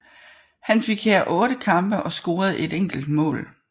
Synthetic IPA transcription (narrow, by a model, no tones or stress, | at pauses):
hænfe̝ɡ̥heɐ̰ʔɔ̽ːɾəkʰɑ̈mb̥ɐʔɒ̽sɡ̥o̝ːɐð̞̩ˠe̝deŋ̰ɡ̥l̩d̥̚mɔ̰̽ːl